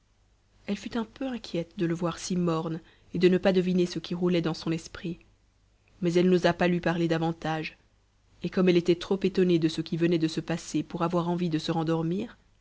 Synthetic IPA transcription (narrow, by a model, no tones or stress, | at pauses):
ɛlfyt̪ɛ̃pøɛ̃kʰʲjɛt̪d̪ələvwaʁsimɔʁn | ed̪ənəpad̪əvinesəkʰʲiʁulɛd̪ɑ̃sɔ̃nɛspχi | mɛzɛlnozapalɥipaʁled̪avɑ̃t̪aʒ | ekɔmɛlet̪ɛt̪χopet̪ɔned̪əsəkʲivənɛd̪əsəpasepuʁavwaʁɑ̃vid̪əsəʁɑ̃d̪ɔʁmiːʁ